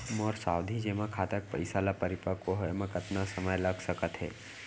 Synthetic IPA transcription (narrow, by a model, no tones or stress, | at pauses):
mɔːɾsaːwd̪ʱid͡ʒemãkʰaːt̪ək̚pəɪsalapəɾɪpəkoɦɔemãkət̪nasəməjləɡsəkət̪ɦɛ̰ː